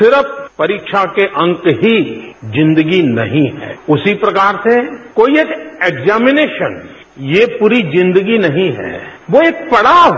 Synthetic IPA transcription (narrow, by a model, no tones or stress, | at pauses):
sɪɾəpʰpɐɾiːkʃʰakeʔɐ̃ŋkɦid͡ʒɪ̃nd̪əɡinɐ̰ɦĩɦɛ̰ːʊsipɾɐkaːɾsekoːieːkeːɡzaːmɪneːʃən | jepuːɾid͡ʒɪ̃nd̪əɡinɐɦĩɦɛ̰ːʋoeːk̚pɐɽaːʋ